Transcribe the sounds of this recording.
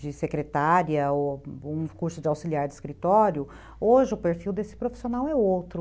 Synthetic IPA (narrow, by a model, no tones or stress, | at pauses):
d͡ʒɪsekɾet̪aɾiɐoũkuɾsʊd͡ʒɪawsiliaɾd͡ʒɪiskɾit̪ɔɾjʊ | oʒɪʊpeɾfiwd̪esɪ̥pɾofi̥sonawɛowt̪ɾʊ